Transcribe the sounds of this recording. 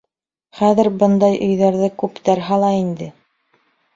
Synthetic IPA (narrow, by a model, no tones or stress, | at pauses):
χæðɘ̆ɾbɤnd̪ɑjʔɵ̆jðæɾðɘkʉpt̪æɾɦɑlˠɑind̪ɘ